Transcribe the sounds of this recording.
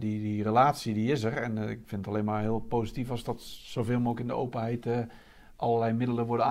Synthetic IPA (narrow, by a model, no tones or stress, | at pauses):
didirəlaːtsidiɪsərɛnɪ̰kfɪnətaleːnmarɦɪəlˠpoːsitifɔzdɔtsowveːlˠmolkɪndəo̰wpənɦɛjt | ʔɔləlɛjmɪdələʋʊdəa